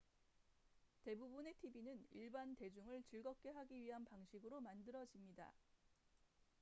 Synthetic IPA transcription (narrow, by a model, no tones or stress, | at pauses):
te̞bubune̞tʰibinɯniɭbante̞d͡ʑuŋɯɭt͡ɕɯɭɡʌp̚k͈e̞ɦaɡiɥiɦanpaŋɕʰiɡɯɾomandɯɾʌd͡ʑimɲida̰